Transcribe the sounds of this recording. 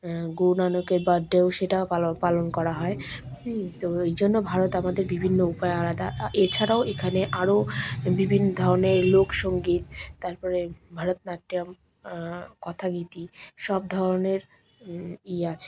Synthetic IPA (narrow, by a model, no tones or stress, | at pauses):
ɡunanokeɾbaɖːeoʃeʈaalopalonkɔɾaɦɔe | t̪oejd͡ʑonːobʱaɾot̪amad̪eɾbibʱinːoupaealad̪aet͡ɕʰaɾaoʔekʰaneʔaɾobibʱinːod̪ʱɔɾoneɾlokʃoŋɡit̪̚ːaɾpɔɾebʱaɾot̪naʈɾiam | kɔt̪ʰaɡit̪iʃɔb̚d̪ʱɔɾoneɾ | iat͡ɕʰe̥